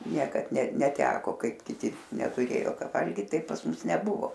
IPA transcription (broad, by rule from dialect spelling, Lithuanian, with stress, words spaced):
ˈnʲiɛkɐt nʲɛ nʲɛˈtʲæːkoː ˈkɐɪp kʲɪˈtʲɪ nʲɛtʊˈrʲeːjoː ˈkɐ ˈʋɐlʲɡʲiːt ˈtɐɪp pɐs ˈmʊs nʲɛˈbʊʋoː